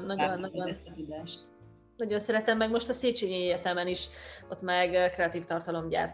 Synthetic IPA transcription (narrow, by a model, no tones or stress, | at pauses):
nɒɟonːɒont̪ud̪ɛʃt̪ | nɒɟo̞nsɛɾɛt̪ɛmːɛɡmo̞ʃt̪ɒseːt͡ʃeːɲeeːrt̪ɛmɛniʃot̪mɛɡkrɛɒt̪iːft̪ɒrt̪ɒlo̞mɟa̰ːrt̪